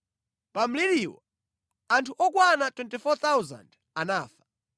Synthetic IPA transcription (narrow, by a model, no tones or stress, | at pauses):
pam̩liɾiːwa | antʰuʔɔkwanatwɛntifɔt̪awuza̰nd | anaːfḁ